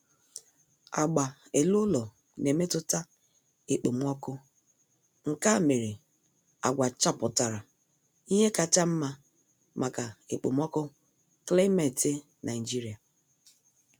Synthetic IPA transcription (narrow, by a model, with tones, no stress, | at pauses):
a̰˨ɡ͡ba˨e˨lʊ˦lɔ˨ | ne˨me˦tʊ˦ta˦ | e˨k͡po˨m˦ɔ˦kʊ˦ | ŋ̩˨ka˦˨me˨ɾi˨ | a˨ɡʷa˨t͡ʃa˦pʊ˨ta˨ɾa˨ | i˦ɦe˦ka˨t͡ʃa˦m̩˦ma˦ | mʔa˨ka˨e˨k͡po˨m˦ɔ˦kʊ˦ | kle˦me˨tɪ˦ | nʔa˨ɪ˨d͡ʒi˦ɾi˨a˨